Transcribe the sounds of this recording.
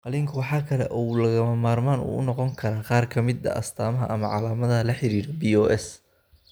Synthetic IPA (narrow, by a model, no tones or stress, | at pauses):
qɑlɪŋkʰʊwħɑːkʰɐlɛ̰ʔɔlɐɣɐmɐmaːrmaːnṵːʊ̰nɔqɔŋkʰɐɾaːqɑːrkʰɐmɪd̪ɐ̰ʔɐ̰st̪ʰaːmɐɦɐ̰ʔɐmɐʕɑlaːmɐðɐlɐħɪɾiːɾɛbiɔːʔɛs